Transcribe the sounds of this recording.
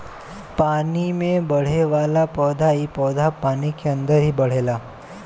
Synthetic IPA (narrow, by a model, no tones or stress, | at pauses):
panimẽbəɽ̤eʋalapɔd̪ʱaipɔd̪ʱapanikʰeənd̪əɾɦiːbəɽ̤ela